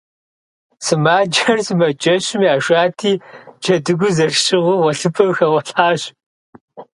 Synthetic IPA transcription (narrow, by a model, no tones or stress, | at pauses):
sɨmaːd͡ʒɐrsɨmɐd͡ʒɐɕɪmjaːʃʷaːtʰiːd͡ʒʰɐdɨɡʷʊzɐrʃʼɪʁʷʊwɐɬɨpʰɐwxɐwɐɬaːɕ